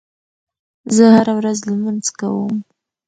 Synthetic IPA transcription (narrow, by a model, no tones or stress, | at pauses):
zəhaɾawɾazləmanzka̰wəm